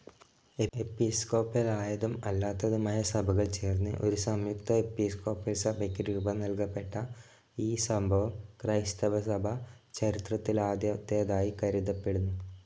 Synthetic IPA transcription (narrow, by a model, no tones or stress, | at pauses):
eepisko̞ːpːɐlaːjɐðumɐlːaːt̪ːɐðumɐjɐsɐbʱɐɣɐɭt͡ɕe̞ːrnːɨʔo̞ɾusɐmjukt̪ɐe̞pisko̞ːpːɐlsɐbʱɐkʲːuɾuːbʱɐnɐlkɐpːe̞ʈːɐ | iːsɐmbʱɐʋɐmkrɐjst̪ɐbʱɐsɐbʱɐ | t͡ɕɐɾit̪rɐt̪ːilaːd̪jɐt̪jejɐðaːjikɐɾiðɐpːe̞ɽunːu